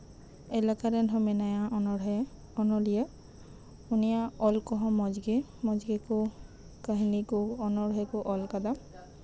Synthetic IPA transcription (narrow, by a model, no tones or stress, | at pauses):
ɛlakaɾɛnʰʱɔmɛnajaɔnɔɛ | ɔnɔlija | unijaɔlkɔɦɔ̃mɔd͡ʒɡe | mɔd͡ʒɡeku | kaɦinikʊɔnɔɹɦɛkʊʔɔlkad̪a